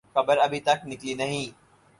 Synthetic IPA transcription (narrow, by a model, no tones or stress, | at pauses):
xɐbəɾɐbʱit̪ɐknɪklinɐɦĩː